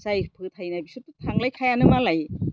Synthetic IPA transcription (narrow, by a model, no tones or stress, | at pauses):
sajpʰɯtʰajnajbisututʰaŋlajkʰajanɯmalaj